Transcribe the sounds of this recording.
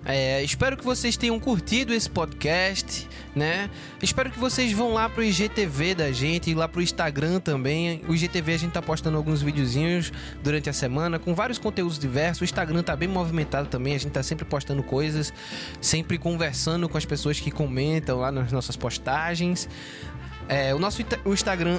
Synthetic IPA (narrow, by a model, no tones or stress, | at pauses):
ɛɪspɛɾʊkɪvosejst̪ẽɲ̃ɐ̃w̃kuɾt̪id̪ʊesɪ̥pɔd̪kɛst̪ɪ̥ | nɛ | ɪʃpɛɾʊkɪvosezvɐ̃w̃lapɾʊiʒet̪eved̪ɐʒẽnt̪ɪːlapɾʊĩʃt̪aɡɾɐ̃t̪ɐ̃mbẽj̃ʊiʒet̪eveaɐʒẽɪt̪apoʃt̪ɐ̃nd̪ʊawɡũzvidiʊzĩɲʊs | d̪uɾɐ̃nt̪ɪɐsemɐ̃nɐkõvaɾijʊskõnt̪eud̪ʊzd̪ivɛɾsʊzʊĩʃt̪aɡɾɐ̃t̪abẽj̃movimẽnt̪ad̪ʊt̪ɐ̃bẽj̃ɐʒẽt̪ɪt̪asẽmpɾɪpoʃt̪ɐ̃nd̪ʊkojzɐsː | ẽmpɾɪkõveɾsɐ̃nd̪ʊkõɐspesoɐskɪkõmẽnt̪ɐ̃w̃lanɐznɔsɐspoʃt̪aʒẽj̃s | ɛʊnɔsʊĩʊĩʃt̪aɡɾɐ̃